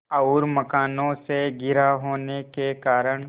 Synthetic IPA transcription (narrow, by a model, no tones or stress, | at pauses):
ɐʊɾmɐkaːnõseɡɪɾaɦoːnekekaːɾəɽ̃